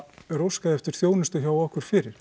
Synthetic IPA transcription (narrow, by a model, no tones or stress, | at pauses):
ɾowskaðɪɛft̪ɪɾ̥θjoːwnɪst̪ʏçaːwɔhkʏɾ̥fɪːɾɪɾ̥